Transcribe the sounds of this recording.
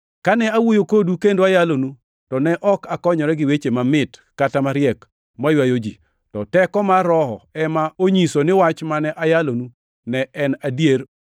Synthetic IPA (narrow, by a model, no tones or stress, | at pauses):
kanɛawojokodukendoajalonu | tɔnɛʔɔkakɔɲɔɾɛɡɪwet͡ʃemamɪtkːatamaɾjɛk | majwajod͡ʒḭ | tɔtɛkɔmaɾɔɦɔ̰ɛmaoɲisonɪwat͡ʃmanɛʔajalonu | nɛɛnadjeɾ